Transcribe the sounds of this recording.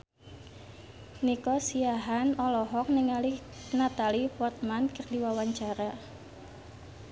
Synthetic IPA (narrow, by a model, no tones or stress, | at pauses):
nikɔsiaɦanɔlɔɦɔk̚nɪŋalihnat̪alifɔrt̪̚mankərdiwawaɲt͡ʃaɾa